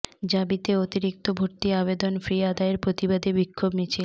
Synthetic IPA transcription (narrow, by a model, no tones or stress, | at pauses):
d͡ʑabit̪eot̪iɾik̚t̪obʱoɾt̪iaβed̪onfɾiad̪aeɾpɾot̪ibad̪ebikʰːobnit͡ɕʰil